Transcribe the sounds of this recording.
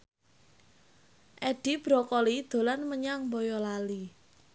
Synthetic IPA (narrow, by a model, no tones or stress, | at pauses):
ʔɛɖ̥i̤b̥ɾɔkɔlid̪̥o̤lanməɲaŋmbɔjɔlali